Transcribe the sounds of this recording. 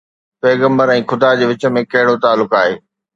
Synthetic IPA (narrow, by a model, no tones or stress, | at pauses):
pɛːɣə̃mbəɾɛ̃ːxʊd̪ad͡ʑeːʋɪt͡ɕə̆mẽkɐɦɪɽot̪aːlːʊkaːɦeː